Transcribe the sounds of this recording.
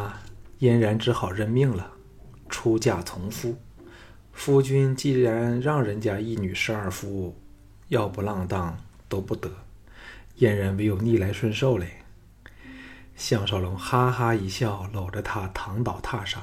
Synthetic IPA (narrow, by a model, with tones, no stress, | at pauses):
jɛ˥nɻa˧˥nʈ͡ʂɻ̩˧˥xɑ˨˩ʊɻə˥˧nmi˥˩ŋlə˩ | ʈ͡ʂʰu˥t͡ɕja˥˩t͡sʰʊ˧˥ŋfu˥ | fu˥t͡ɕy˥nt͡ɕi˥˩ɻa˧˥nɻɑ˥˩ŋɻə˧˥nt͡ɕja˥i˥˩ny˨˩ʂɻ̩˧˥a˞˥˩fu˧˥u˥˩ | jɑ˥˩ʊpu˧˥lɑ˥˧ŋt̪ɑ˥˩ŋt̪o˥ʊpu˥˩t̪ɤ˧˥ | jɛ˥˩nɻa˧˥nwe˧˥ɪjo˨˩ʊni˥˩la˧˥ɪʂwə˥nʂo˥˧ʊle˨˩ | ɕjɑ˥˩ŋʂɑ˥˩ʊlʊ˧˥ŋxa˥xa˥i˧˥ɕjɑ˥˩ʊlo˨˩ʊʈ͡ʂə˧˦t̪ʰa˥t̪ʰɑ˧˥ŋt̪ɑ˨˩ʊt̪ʰa˥˧ʂɑ˥˩˦